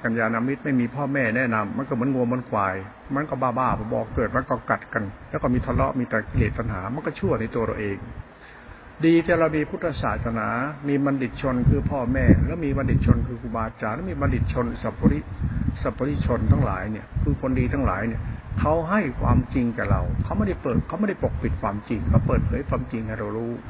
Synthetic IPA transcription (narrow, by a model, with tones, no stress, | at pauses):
ka˧njaː˧na˧mi˦˥t̪̚ma˥˩jmiː˧pʰɔː˥˩mɛː˥˩nɛː˦˥˩na˧mːa˧˥nkɔː˥˩mɯ˩˦ənŋu˧mo˧˥nkʰwaː˧j | ma˧˥nkɔ˥˩baː˧˥˩baː˥˩pʰɔ˧˩bɔ̰ː˨˩k̚t̪ɤː˨˩t̪̚ma˧˥nkɔː˧˥˩ka˨˩t̪̚ka˧nlɛː˦˥kɔː˥˩miː˧t̪ʰa˧lɔ̰˦˥ʔmiː˧t̪ɛː˨˩kʰeː˨˩t̪̚pa˧nɦa̰ː˩˦ma˧˥nkɔː˥˩t͡ɕʰu˥˩əna˧jt̪u˧əɾa̰˧wʔeː˧ŋ | diː˧t̪ʰiː˥˩ɾa˧wmiː˧pʰu˦˥t̪ʰːa˧sa̰ː˨˩t̪̚sa˧naː˩˦miː˧ma˧ndi˨˩t̪̚t͡ɕʰo˧nkʰɯː˧pʰɔː˥˩mɛː˥˩lɛː˦˥wmiː˧ma˧ndi˨˩t̪̚t͡ɕʰo˧nkʰɯː˧kʰu˧˩baː˧t͡ɕaː˧nlɛː˦˥˩miː˧ma˧ndi˨˩t̪̚t͡ɕʰo˧nsa˨˧˩pɔ˧ɾi˦˥sa˨˩pːɔ˧ɾi˦˥t͡ɕʰo˧nt̪ʰa˥˩la̰ː˨˩˦jni˥˩kʰɯː˧kʰo˧ndiː˧t̪ʰa˥˩ŋla̰ː˩˦jni˥˩ɐkʰa˦˥wɦa˥˩jkʰwaː˧mt͡ɕi˧ŋkɛː˨˩ɾa̰˧wkʰa˦˥wma˥˩jda˥˩jpɤː˨˩t̪̚kʰa˦˥wma˥˩da˥˩jpo˨˩k̚pi˨˩t̪̚kʰwaː˧mt͡ɕi˧ŋkʰa˦˥˩wpɤː˨˩t̪̚pʰɤː˩˦jkʰwaː˧mt͡ɕi˧ŋhʰa˥˩jɾa˧wɾuː˦˥